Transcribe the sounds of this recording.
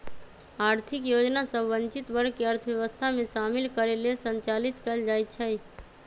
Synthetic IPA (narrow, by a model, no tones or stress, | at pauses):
aːɾt̪ʰikjod͡ʒnasəbʋənt͡ʃit̪bəɽkeəɾt̪ʰʋjɛʋəst̪ʰameʃaːmilkəɾelesənt͡ʃalit̪kəld͡ʒajt̪̚t͡ʃʰəj